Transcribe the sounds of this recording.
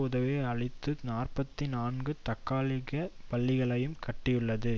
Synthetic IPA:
uːðɐʋeːɐɭɪt̪ːɯnaːrpɐt̪ːɪnaːnɡɯt̪ɐkːaːlɪɣɐpɐɭːɪɣɐɭɐjɯmkɐʈːɪjɯɭːɐðɯ

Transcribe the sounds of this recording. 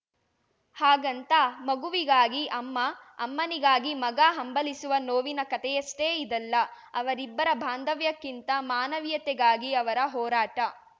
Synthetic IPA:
haːɡɐnt̪ɐmɐɡuʋiɡaːɡiʔɐmːɐ̰ːmːɐniɡaːɡimɐɡaɦɐmbɐlisuʋɐnoːʋinɐkɐt̪ɛjɐsʈeːid̪ɐlːɐ | ɐʋɐɾibːɐɾɐbʱaːnd̪ɐʋjɐkːint̪ɐmaːnɐʋjɐt̪ɛɡaːɡiɐʋɐɾɐɦɔːɾaːʈɐ

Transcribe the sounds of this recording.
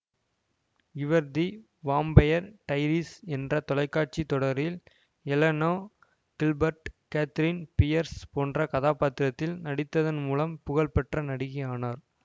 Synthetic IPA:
ɪʋɐɾd̪i | ʋaːmbɐjɐɾʈɐɪɾisɛndrɐt̪ɔlɐɪkːaːʈ̚t͡ʃit̪ɔɽɐɾɪl | ɛlɐnoː | ɡ̥ɪlbɐɾʈkaːt̪ɪɾinpɪjɐɾspoːndrɐkɐðaːpaːt̪ːɪɾɐt̪ːɪlnɐɽɪt̪ːɐðɐnmuːlɐmpʊɣɐɭpɛʈrɐnɐɽɪɣɐjaːnaːɾ

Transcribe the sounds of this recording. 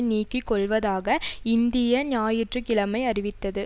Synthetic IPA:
niːkːɪkːɔɭʋɐðaːɣɐɪnd̪ɪjɐnaːjɪʈrɯkɪlɐmɐɪɐrɪʋɪt̪ːɐðɯ

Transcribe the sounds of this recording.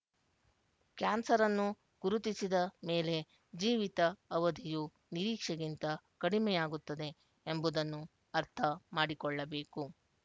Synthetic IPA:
kjaːnsɐɾɐnːu | ɡ̥uɾut̪isid̪ɐme̞ːle̞ | d͡ʒiːʋit̪ɐːʋɐd̪ʱiju | niɾiːkʂɐɡint̪ɐkɐɽimɛjaːɡut̪ːɐd̪e̞ | embud̪ɐnːu | ɐɾt̪ʰɐmaːɽikɔɭːɐbe̞ːku

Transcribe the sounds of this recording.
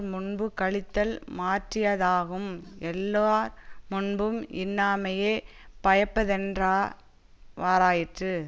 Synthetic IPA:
mʊnbɯkɐɭɪt̪ːɐlmaːʈrɪjɐðaːɣɯmɛlːaːɾmʊnbɯmɪ̰nːaːmɐjeː | pɐjɐpːɐðɛndraː | ʋaːɾaːjɪʈrɯ

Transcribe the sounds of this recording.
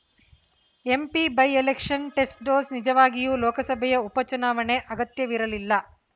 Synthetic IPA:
e̞mpibɐjelekʂɐnʈe̞sʈ̚ɖoːsnid͡ʒɐʋaːɡijuːlɔːkɐsɐbʱɛjɐupɐt͡ʃunaːʋɐne̞ʔɐɡɐt̪jɐʋiɾɐlilːɐ

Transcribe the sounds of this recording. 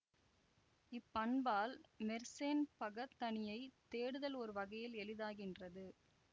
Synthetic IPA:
ɪpːɐɳbaːlmɛɾseːnpɐɣɐt̪ːɐɳɪjɐɪt̪eːɽɯðɐlɔɾɯʋɐɣɐjɪlɛlɪðaːɣɪndrɐðɯ

